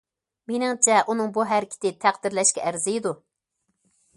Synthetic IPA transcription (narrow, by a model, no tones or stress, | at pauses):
menɪŋt͡ʃʰɛʔunɨŋbuɦæɾɪkʲʰɪ̥t̪ɪt̪ʰæqd̪ɪɾlɛʃkʲɛʔæɾzɪjd̪u